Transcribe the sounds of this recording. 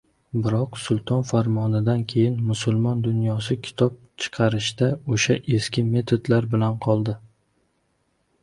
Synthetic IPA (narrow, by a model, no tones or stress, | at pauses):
bɪɾɒqsʊlˠt̪ʰɒnfaɾmɒnɪd̪ankʲʰe̞jɪnmʊsʊlˠmɒnd̪ʊnjɒsɪkʲʰɪ̥t̪ʰɒp̚t͡ʃʰɨ̥qʰɑɾɪʃd̪aoʃaʔe̞skʲɪme̞t̪ʰod̪laɾbɪlanqʰɒlˠd̪ɪ